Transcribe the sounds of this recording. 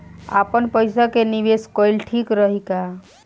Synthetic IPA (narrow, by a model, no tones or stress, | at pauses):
a̰pənpəjsakeniʋeskɔjlʈʰikɾəɦika